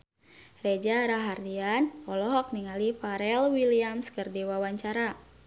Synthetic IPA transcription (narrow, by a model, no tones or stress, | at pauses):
red͡ʒaɾaɦardianpɔlɔɦɔk̚niŋalifaɾɛlwiliamskərdiwawaɲt͡ʃaɾa